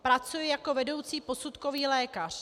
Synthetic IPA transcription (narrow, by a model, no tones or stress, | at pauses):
pɾat͡sujɛjako̞vɛdo̞wt͡siːpo̞sut̪ko̞viːlɛːkar̝̥